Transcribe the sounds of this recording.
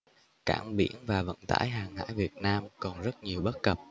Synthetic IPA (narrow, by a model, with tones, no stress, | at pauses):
kaː˧˩mɓḭ˧˩ənvaː˨˩və̰˧˨nt̪a̰ː˧˥jɦaː˨˩ŋha̰ː˧˥jvi˨˩ət̚naː˧mkɔ˨˩nzə˦˥t̚ɲi˨˩əwɓə˦˥t̚kə˨˩p̚